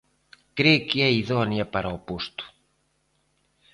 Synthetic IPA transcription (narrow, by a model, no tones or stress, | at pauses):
kɾekieiðɔnjɐpaɾɐopust̪u̥